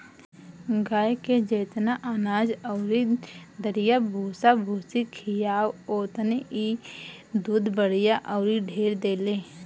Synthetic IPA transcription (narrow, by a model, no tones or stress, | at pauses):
ɡaːjked͡ʒeːt̪naʔaːnaːd͡ʒɔʊɾid̪əɾɪjabʱuːsabʱuːsikʰijaːwoːt̪əneʔi | d̪uːd̪bəɽ̤jaʔɔʊɾiɖʱeːɾd̪eːleː